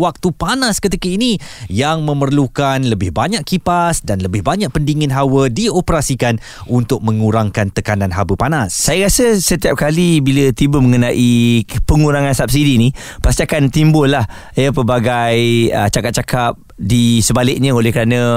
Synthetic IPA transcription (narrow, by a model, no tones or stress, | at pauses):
wak̚t̪upanaskət̪ikəinijaŋmə̃mərlukanləbɪhbaɲaʔkipasdanləbɪhbaɲãʔ̚pəndiŋɪnɦawədiopəɾasikan | unt̪ʊk̚mə̃ŋuɾaŋkant̪əkanãnɦabəpanasːajəɾasəsət̪iap̚kalibilət̪ibəməŋənaʔipəŋuɾaŋansap̚sidinĩ | past̪iakant̪imbʊlːah | jəpəbaɡajət͡ʃakat̚t͡ʃakap̚ | disəbalɪk̚ɲə̃olɛhkəɾanə̃